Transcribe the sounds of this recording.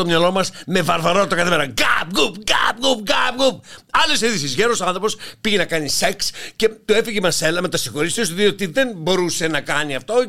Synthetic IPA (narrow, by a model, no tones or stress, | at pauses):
omɲɐlo̞mɐsme̞vɐɾvɐɾo̞t̪it̪ɐkɐθimeɾɐɡɐpɡupɡɐb̚ɡup̚ɡɐp̚ɡup̚ɐlesiðisizʝeɾosɐnθɾo̞po̞spiʝenɐkɐnise̞ksce̞t̪oe̞fiʝemɐselɐme̞t̪ɐsixo̞ɾist̪iosoðio̞t̪iðe̞nbo̞ɾuse̞nɐkɐniɐft̪o̞